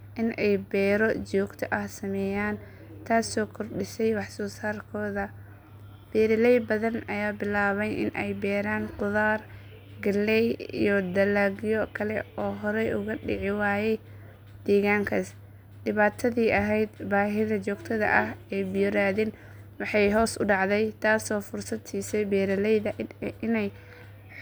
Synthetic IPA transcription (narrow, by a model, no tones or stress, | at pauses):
ʔɪnʔɛjbɛːɾɔt͡ʃɔːɡt̪ʰɐʔɐhsɐmɛːjaːn | t̪ʰaːsɔːkʰɔrɖɪsɛjwɑħsɔːsaːrkʰɔːðɐ | b̥ɛːɾɪlɛjbɐðɐnɐjaːbɪlaːβɛjʔɪ̰nʔɛ̰jbɛːɾaːnqʊðaːr | ɡɐlːɛjḭjɔd̪ɐlaːɣjɔkʰɐlɛɔːɦɔɾɛjʊɣɐɖɪ̰ʕɪwaːjɛj | d̪̥iːɣaːŋkʰɐs | dɪβaːt̪ʰɐðiːʔɐɦɛjd̪baːɦɪðɐt͡ʃɔːɡt̪ʰɐðɐ̰ʔɐhɛːbɪjʊɾaːðɪn | wɑħɑjɦɔːsʊɖɑʕd̪ɛjt̪ʰaːsɔːfʊrsɐd̪t͡ʃiːsɛbɛːɾɐlɛjðɐɪnɛj